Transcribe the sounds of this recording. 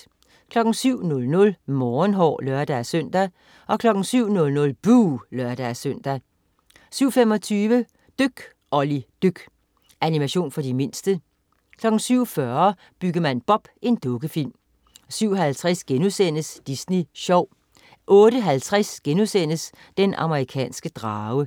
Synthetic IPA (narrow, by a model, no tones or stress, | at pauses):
kʰlɒ̽ɡ̥n̩syʊ̰nɔ̽lnɔ̽lmɒːnɦɒ̰ːløɐd̥æsøn̰d̥æ | ʔɒ̽kʰlɒ̽ɡ̥n̩syʊ̰nɔ̽lnɔ̽lb̥uːlɶɐd̥æsøn̰d̥æ | syʊ̰fem̰ɒ̽t͡sʰyːʋə | d̥øɡ̥ | ʔɒ̽lid̥øɡ̥ | ʔænimæɕo̝̰ːnfɒdime̝n̰sd̥ə | kʰlɒ̽ɡ̥n̩syʊ̰fɶɐɐ | b̥yɡ̥əmænb̥ɒ̽b̥e̝nd̥ɔ̽ɡ̥əfil̰m | syʊ̰ɦælt͡sʰʁɛsɡ̥enusen̰əsd̥isniɕɒʊ̰ | ʔɔ̽ːɾəɦælt͡sʰʁasɡ̥enusen̰əs | d̥enʔɑ̰̈məʁikʰɛ̰ːnsɡ̥əd̥ʁɑːʊə